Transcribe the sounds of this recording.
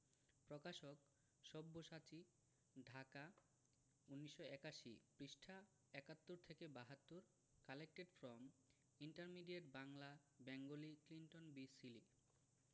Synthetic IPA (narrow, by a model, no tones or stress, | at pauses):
pɾɔkaʃok | ʃɔbːoʃat͡ɕi | ɖʱaka | unːiʃːoɛkaʃḭpɾiʃʈʰa | ɛkat̪ːoɾt̪ʰekebaɦat̪ːuɾ | kalek̚ʈeɖfɾɔm | iɳʈaɾmiɖieʈbaŋla | bɛŋɡoliklinʈonbisili